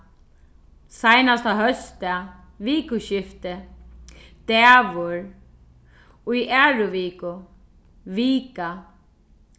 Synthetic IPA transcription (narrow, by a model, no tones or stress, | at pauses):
sajnast̪aɦœst̪a | viːkʊɕɪft̪ɪ | d̪̥ɛːʋʊɹ | ujʔɛɹʊʋiːkʊ | ʋiːka